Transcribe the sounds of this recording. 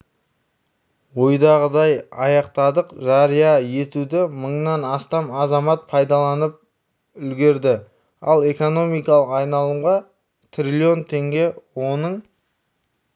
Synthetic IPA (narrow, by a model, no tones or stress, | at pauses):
wo̞jd̪ɑʁəd̪ɑjɑjɑqt̪ɑd̪əqʒɑɾijɑje̞t̪ud̪ɪməɴnɑnɑst̪ɑmɑzɑmɑt̪̚pʰɑjd̪ɑlˠɑnəp̚ | ʏlɡʲe̞ɾd̪ɪ | ɑlˠe̞ko̞no̞mijkɑlˠəqɑjnɑlˠəʁɑ | t̪ʰrʲilʲio̞nt̪ʰe̞ŋɡʲe̞wo̞nəɴ